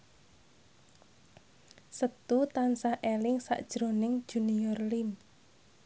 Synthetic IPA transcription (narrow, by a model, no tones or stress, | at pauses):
sət̪ut̪ansahʔelɪŋsa̰ʔd̥ʒ̥ɾo̤nɪŋd̥ʒ̥unijɔrlim